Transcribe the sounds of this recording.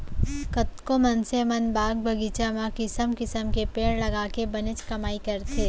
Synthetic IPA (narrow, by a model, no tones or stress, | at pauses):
kɐt̪kõmɐnsemɐnbaːɡ̚bʱɐɡiːt͡ʃamãkɪsəmkɪsəmkepeːɽlɐɡaːkebɐnɪt͡ʃkɐmaːikɐɾt̪ʰeː